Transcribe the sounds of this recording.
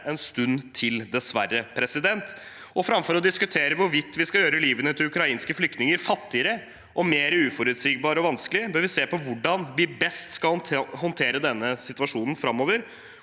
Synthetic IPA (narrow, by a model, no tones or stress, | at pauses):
ɛnst̪ʉnt̪ʰɪld̪ɛsʋærːəpʰɾɛsɪd̪ɛnt̪ | ɔfɾɑmfɔɾɔd̪ɪskʉt̪ʰeːɾəʋʊɾʋɪt̪ːʋɪskɑjøːɾəliːʋənət̪ʰɪlʉkɾɑiːnskəflʏk̚t̪nɪŋəɾfɑt̪ːɪəɾə | ʔɔmeːɾəʉːfɔɾʉt̪siːɡ̚bɑːɾɔʋɑnsklɪbøːɾʋɪseːpɔʋʊɖɑnʋɪbɛst̪skɑlhɔnt̪ʰeːɾəd̪ɛnːəsɪt̪ʉʋɑʂuːnn̩fɾɑmːoːʋəɾ